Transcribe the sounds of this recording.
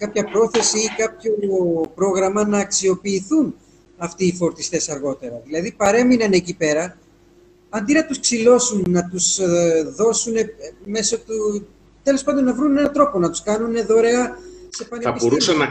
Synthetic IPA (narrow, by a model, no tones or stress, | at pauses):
kɐpçɐpɾo̞θe̞siikɐpço̞pɾo̞ɣɾɐmɐnɐːksio̞piːθun | ɐft̪iːfo̞ɾt̪ist̪e̞sɐɾɣo̞t̪e̞ɾɐðilɐðipɐɾe̞minɐne̞cipe̞ɾɐ | ɐnd̪inɐt̪usksilo̞sunːɐt̪usðo̞sune̞me̞sot̪u | t̪e̞lo̞spɐnd̪o̞nnɐvɾune̞nɐt̪ɾo̞po̞nɐt̪u̥skɐnune̞ðo̞ɾe̞ɐse̞pɐniɐbo̞ɾusɐnɐ